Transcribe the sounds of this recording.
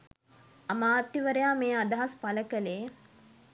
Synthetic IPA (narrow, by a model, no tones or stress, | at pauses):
amaːt̪ːiʋəɾejaːmeːad̪ɐɦaspaləkəleː